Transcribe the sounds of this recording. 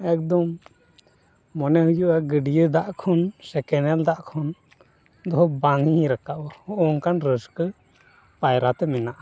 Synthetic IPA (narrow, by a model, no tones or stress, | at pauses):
ɛk̚d̪ɔm | ɔnɛɦujuʔaɡəɖijəd̪aʔkʰɔnsɛkɛnɛld̪aʔkʰɔn | d̪ɔɦɔbaŋiɲɾakaʔɔɔʔɔŋkanɾəskə | pajɾat̪ɛmɛnaʔa